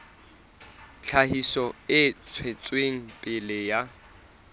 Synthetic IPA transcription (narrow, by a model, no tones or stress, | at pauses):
t͡ɬʰaɦisɔɪt͡sʰwet͡sʼweŋ̩pʼɪlɪja